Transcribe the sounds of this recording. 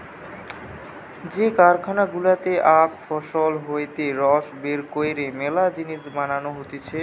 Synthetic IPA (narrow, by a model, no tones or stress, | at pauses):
d͡ʑekaɾkʰanaɡulat̪eʔakfɔʃolɦoet̪eɾɔʃbeɾkoeɾemɛlad͡ʑiniʃmananoɦot̪et͡ɕʰe